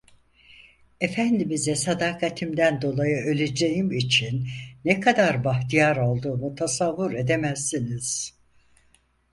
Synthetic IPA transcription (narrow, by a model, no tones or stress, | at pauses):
e̞fænd̪imizɛsad̪aːkʰat̪ʰimd̪ænd̪o̞lˠajɯʔø̞lʲe̞d͡ʒe̞jimit͡ʃʰinːɛkʰad̪aɾbaxt̪ʰijaɾo̞lˠd̪uːmut̪ʰasavːuɾe̞d̪e̞mæsːiniz̥